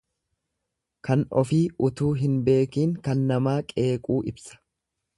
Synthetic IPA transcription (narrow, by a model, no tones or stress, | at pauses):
kɐnɔfiːʊt̪uːɦɪnbe̞ːkiːŋkɐnːɐmaːkʼe̞ːkʼuːʔɪbsɐ̥